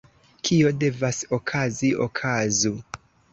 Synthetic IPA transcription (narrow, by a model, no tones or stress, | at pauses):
kʰio̞de̞vasokʰazio̰kʰazu